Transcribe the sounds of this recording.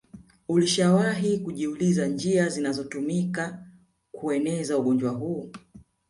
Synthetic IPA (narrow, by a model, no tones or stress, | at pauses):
uliʃawaɦikuʄiulizand͡ʒiazinazɔtumika | kuɛnɛzauɠɔnd͡ʒwaɦuː